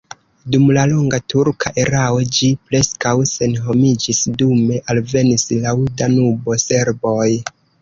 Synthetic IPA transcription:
dumlaloŋɡatuɾkʰaʔe̞ɾao̞d͡ʒipɾe̞skawse̞nɦo̞mid͡ʒisdume̞ʔalve̞nislaudanubo̞se̞ɾbo̞j

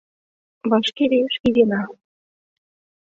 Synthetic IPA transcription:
βɑʃkeβeʃid̪enɑ

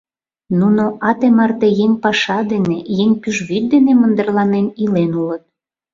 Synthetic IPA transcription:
nunoʔɑt̪emɑrt̪ejeŋʲpɑʃɑd̪enejeŋʲpyʒβyt̪̚d̪enemə̆nd̪ərlɑnenilenulət̪̚

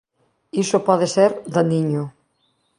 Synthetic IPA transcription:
isopɔðeseɾðaniɲʊ

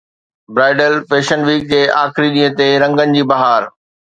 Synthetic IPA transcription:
bɾaːɪɖəlfeːʃənʋiːkːeːʔaːxɪɾiɗĩːə̃t̪eɾɐ̃ŋɡənɪ̆d͡ʑiːbɐɦaːɾ

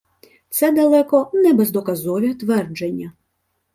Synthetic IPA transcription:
t̪sɛd̪ɐlˠɛkɔnɛbɛzd̪ɔkazɔʋʲit̪ʋɛrd͡ʒenʲːɐ

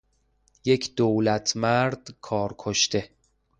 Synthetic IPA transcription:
jecʰd̪̥owlæt̪ʰmæɾd̪̥kʰɒːɾkʰoʃt̪e̞

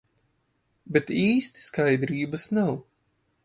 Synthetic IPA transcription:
bɛt̪iːst̪skajd̪ɾiːbɐsnaw

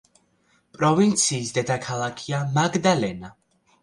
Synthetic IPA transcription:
pʼɾɔvint̪sʰiːsd̪ɛd̪akʰalˠakʰiamaɡd̪alɛna

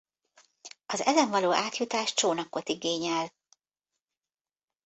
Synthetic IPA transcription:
ɒzɛzɛɱvɒloːʔaːt̪jut̪aːʃt͡ʃoːnɒko̞t̪iɡeːɲɛl

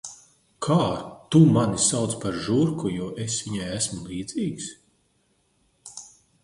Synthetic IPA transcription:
kʰaːt̪umanisawt̪spaɾʒuɾkujuɔʔesʋiɲajæsmulˠiːd̪z̥iːks

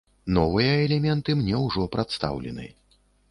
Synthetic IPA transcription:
nɔvɨjɐɛlʲɛmʲɛnt̪ɨmnʲɛwʐɔpɾat̪st̪a̰wlʲɛ̰nɨ̰

